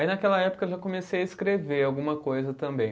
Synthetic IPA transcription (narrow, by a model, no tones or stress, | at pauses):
ainɐkɛlɐɛpo̥kɐewʒakõmesejɐiskɾeveawɡũmɐkojzɐt̪ɐ̃mbẽj̃